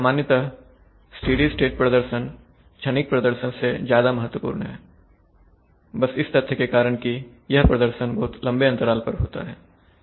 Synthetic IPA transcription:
samaːnjət̪a | sʈiːɖisʈeːʈ̚pɾɐd̪əɾʃən | t͡ʃʰɐnɪk̚pɾɐd̪əɾʃənsezjaːd̪amɐɦət̪ːwəpṵːɾnɦɛː | bɐsɪst̪ɐt̪ʰːəkekaːɾəɽ̃ki | jɐɦpɾɐd̪əɾʃənbɐɦʊt̪lɐ̃mbeɐ̃nt̪əɾaːlpɐɾɦo̰ːt̪a̰ɦɛː

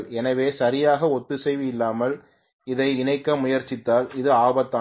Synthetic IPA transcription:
ɭɛnɐʋeːsɐɾɪjaːɣɐɔt̪ːɯsɛɪʋɪɪlːaːmɐl | ɪðɐɪɪnɐɪkːɐmʊjɐɾt͡ʃːɪt̪ːaːlɪðɯaːbɐt̪ːa

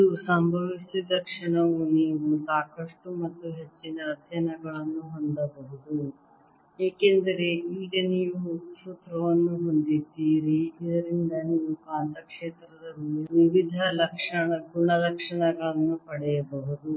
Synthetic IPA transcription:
iusɐmbʱɐʋisid̪ɐkʂɐɳɐʋuniːʋusaːkɐʂʈumɐt̪ːuɦet͡ʃːinɐːd̪ʱjɐnɐɡɐɭɐnːuɦo̞nd̪ɐbɐɦud̪u | eːkend̪ɐɾe̞iːɡɐniːʋusut̪ɾɐʋɐnːuɦo̞nd̪id̪iːɾiid̪ɐɾind̪ɐniːʋukaːnt̪ɐkʂeːt̪ɾɐd̪ɐliiʋiʋid̪ʱɐlɐkʂɐɳɐɡuɳɐlɐkʂɐɳɐɡɐɭɐnːupɐɽɛjɐbɐɦud̪u

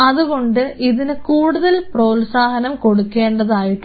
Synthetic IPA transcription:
ɐðuɣo̞ɳɖɨʔiðinɨkuːɽuðɐlpro̞ːlsaːɦɐnɐmko̞ɽukːe̞ːɳɖɐðaːjiʈːu

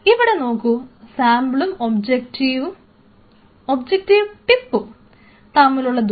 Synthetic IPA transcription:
iʋiɽe̞no̞ːkːusaːmbɭumobd͡ʑekʈiʋu | obd͡ʑek̚ʈiʋʈipːu | t̪ɐmːiluɭːɐd̪

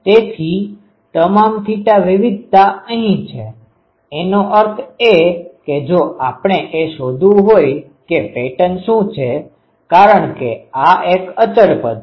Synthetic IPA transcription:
t̪et̪ʰi | t̪əmamfʰiʈaʋɪʋid̪̚ʱt̪aəɦĩt͡ʃʰeː | noʔəɾt̪ʰeked͡ʒoʔapɳ̃eʔeʃod̪ʱũɦoj | kepeʈənʃũt͡ʃʰe | kaɾəɳkeaʔekət͡ʃəɭpəd̪

